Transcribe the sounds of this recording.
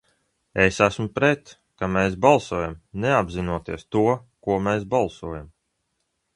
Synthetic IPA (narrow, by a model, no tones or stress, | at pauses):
esæsmupɾɛt̪ | kameːsbalˠsuɔjamneabzinuɔt̪iɛst̪uɔkuɔmeːsbalˠsuɔjam